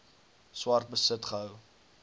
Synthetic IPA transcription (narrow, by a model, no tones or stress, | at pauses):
swɑrt̚bəsətχəɦəw